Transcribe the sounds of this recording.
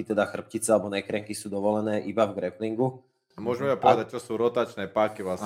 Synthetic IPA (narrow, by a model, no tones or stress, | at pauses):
it̪ɛd̪axr̩p̚cit͡sɛalɛbɔnɛkɾɛŋkisuːd̪ɔʋɔlɛnɛːʔibavɡɾɛpliŋɡu | mʊɔʒɛmɛapɔʋɛd̪ac̚t͡ʃɔsuːɾɔt̪aːt͡ʃnɛːpaːkiʋlas